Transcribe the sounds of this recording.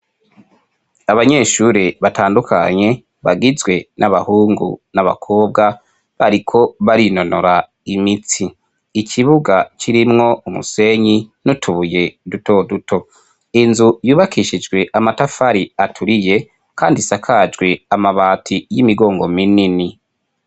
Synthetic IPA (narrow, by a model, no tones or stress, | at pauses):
aβaɲe̞ːʃuɾeβataːndukʰa̰ɲe̞ | βaɡizwe̞nʔaβahuːŋɡṵnaβa̰kʰo̞ːb̚ɡa | βaɾikʰo̞βaɾino̞noɾa | imit͡siː | cʰiβuɡat͡ʃiɾimŋo̞umṵse̞ɲinutʰuβuje̞duto̞dutʰo̞ | inzujuːβakiʃid͡ʒɡwe̞ʔamatafaɾiatʰuɾije̞ | kʰaːndisakʰad͡ʒɡwe̞amaβaːtʰijimiɡo̞ːŋɡo̞minini